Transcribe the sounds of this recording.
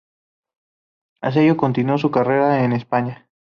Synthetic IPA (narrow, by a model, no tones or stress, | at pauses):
a̰s̬ejoko̞nt̪inwos̬ukare̞ɾaenespaɲa